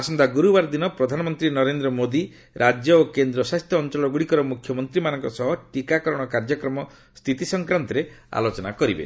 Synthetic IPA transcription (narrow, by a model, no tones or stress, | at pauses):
asɔnd̪ʱaɡuɾubaɾd̪inɔpɾɔd̪ʱanɔmɔnt̪ɾinɔɾend̪ɾɔmod̪i | ɾʔad͡ʒjɔokend̪ɾɔsast̪ʰjɔːnt͡ʃɔlɔɡuɽikɔɾɔmukʰjɔmɔnt̪ɾimanɔŋkɔsɔɦɔʈikakɔɾɔɽ̃ɔkaɾd͡ʒɔkɾɔmɔ | st̪ʰit̪isɔŋkɾant̪ɔɾea̰lot͡ʃɔna̰kɔɾibḛ